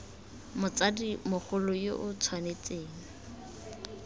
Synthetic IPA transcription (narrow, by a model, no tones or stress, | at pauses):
mʊt͡sadimʊχʊlʊjoʔʊt͡sʰwanet͡seːŋ̩